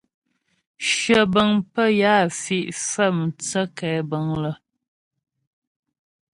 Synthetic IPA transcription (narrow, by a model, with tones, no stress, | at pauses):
ʃə˨bə˨ŋpə˦jaː˦˨fi˦ʔfə˦m̩˨t͡sə˦kɛː˨˦bə˨ŋlə˨